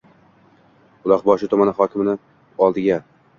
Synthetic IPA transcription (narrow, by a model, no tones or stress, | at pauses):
ʊlˠɒqbɒʃɪt̪ʰʊmanɪhɒkʲɪmɪnɪ | ɒlˠd̪ɪɡʲa